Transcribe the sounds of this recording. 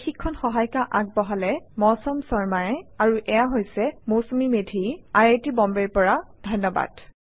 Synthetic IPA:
xikʰːɔnxɔɦajkaʔak̚bɔɦalɛmɔsɔmsɔɹmajɛaɹuʔɛjaɦojsɛmowsomimedʱiajatibɔmbɛɹpɔɹadʱɔjnːɔba̰d̥

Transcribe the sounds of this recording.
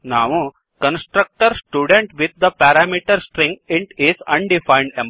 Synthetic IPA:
naːʋu | kɐ̃nsʈɾɐk̚ʈɐɾsʈjuːɖẽɳʈʋid̪̚d̪ɐpaɾaːmiʈɐɾsʈɾĩŋɡĩɳʈizɐ̰̃ɳɖifajɳɖẽm

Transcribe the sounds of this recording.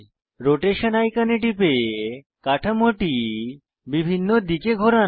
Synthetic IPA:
ɾoʈeʃənajkaneʈipe | kaʈʰamoʈi | bibʱinːod̪ikeɡʱoɾa

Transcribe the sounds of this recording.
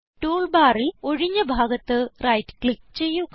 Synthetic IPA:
ʈuːɭbaːriloɻiɲːɐbʱaːɡɐt̪ːɨrɐjtːɨ̥kɭik̚ːt͡ɕe̞jːuk

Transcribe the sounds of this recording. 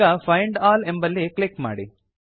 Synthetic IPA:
ɐfʰɐjɳɖaːlembɐlːikɭikːma̰ːɽi

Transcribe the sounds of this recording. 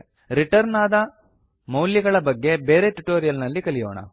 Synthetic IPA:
ɾiʈɐɾnaːd̪ɐ | mɐwlːiɡɐɭɐbɐɡːe̞be̞ːɾeʈuʈoːɾijɐlnɐlːikɐlijoːɳɐ̰

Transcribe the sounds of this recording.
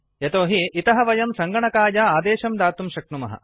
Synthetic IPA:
jet̪oːɦiit̪ɐɦɐʋɐjɐmsɐŋɡɐɳɐkaːjɐaːd̪eːʃɐmd̪aːt̪umʃɐk̚numɐɦɐ̰

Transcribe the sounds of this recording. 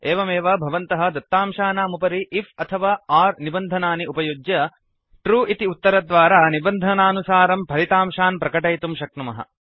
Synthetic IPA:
eːʋɐmeːʋɐbʱɐʋɐnt̪ɐɦɐ̆d̪ɐt̪ːaːmʃaːnaːmupɐɾiʔːfʰɐt̪ʰɐʋaːaːɾnibɐnd̪ʱɐnaːniupɐjud͡ʒjɐ | ʈɾuːʔit̪iut̪ːɐɾɐd̪ʋaːɾaːnibɐnd̪ʱɐnaːnusaːɾɐmpʰɐlit̪aːmʃaːnpɾɐkɐʈɐjt̪umʃɐk̚nɐmɐɦɐ̰

